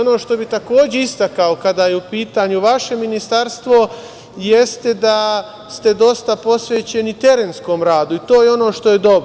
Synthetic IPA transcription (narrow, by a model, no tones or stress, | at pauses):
ono̞ːʃt̪o̞bit̪ako̞ːd͡ʑe̞ist̪akaokad̪aːjeupiːt̪aːɲuʋaʃe̞minist̪aɾst̪ʋo̞ | je̞st̪e̞d̪a | st̪e̞d̪o̞st̪apo̞sʋeːt͡ɕe̞nit̪e̞ɾeːnsko̞ːmɾaːd̪uit̪o̞ːjeo̞no̞ːʃt̪o̞je̞d̪o̞bɾo